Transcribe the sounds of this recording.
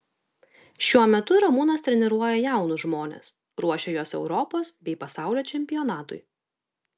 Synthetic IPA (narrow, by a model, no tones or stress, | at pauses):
ʃʲuɔmʲɛt̪ʊɾɐmuːnɐst̪ʲɾʲɛnʲɛɾuɔjɛjæˑʊnʊʒmoːnʲḛːs | ɾuɔʃʲɛjoːsɛ̰ʊɾɔpoːsbʲɛɪpɐsɑˑʊlʲoːt͡ʃʲɛmʲpʲɪjɔːnɑːt̪ʊ̰ɪ